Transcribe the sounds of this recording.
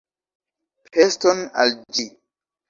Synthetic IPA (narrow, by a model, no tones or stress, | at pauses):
pʰestona̰ld͡ʒi